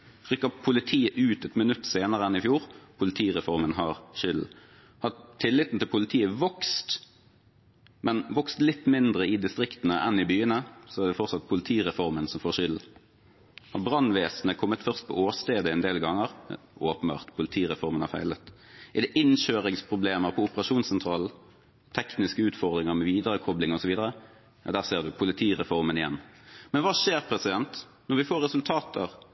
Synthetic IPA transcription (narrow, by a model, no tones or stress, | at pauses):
ʁʏkːɑpʰʊlɪt̪ʰiːəʔʉːt̪ɛt̪mənʉt̪ːseːnəʁəɛnɪfjuːʁpʰʊlɪt̪ʰiːʁɛfɔʁmənɦɑʁʃʏl | hɑt̪ʰːɪlːɪt̪nt̪ʰɪlpʰʊlɪt̪ʰiːəʋɔkst̪ | mɛnʋɔkst̪lɪt̪ːmɪnd̪ʁəɪd̪ɪst̪ʁɪkt̪ənəʔɛnɪbyːənəsɔæʁd̪ɛfɔʁtsɑt̪̚pʰʊlɪt̪ʰiːʁɛfɔʁmənsɔmfoːʁʃʏl | ɔbɾɑnʋeːsnəkʰɔmːət̪fœʁst̪̚pʰɔ̰ʔoːst̪eːd̪əɛnd̪eːlɡɑŋːəʁ | oːpənbɑ̰ːʁt̪pʰʊlɪt̪ʰiːʁɛfɔʁmənhɑʁfæ̰ɪlət̪ɪɛd̪ɛʔɪnʃøːʁɪŋspʰʁʊbleːməʁpʰɔʊpəʁɑʂuːnsɛnt̪ʰɾɑːl | t̪ʰɛknɪskəʉːt̪fɔʁd̪ɾɪŋəʁmɛʋiːd̪əɾəkʰɔblɪŋɔsɔʋiːd̪əɾə | d̪æːʁseːʁd̪ʉpʰʊlɪt̪ʰiːʁɛfɔʁmənɪjɛnːmɛnʋɑːʂeːʁpʰɾɛsɪd̪ɛnt̪ | nɔʁʋɪfoːɾːɛsʉlt̪ʰɑːt̪ʰəʁ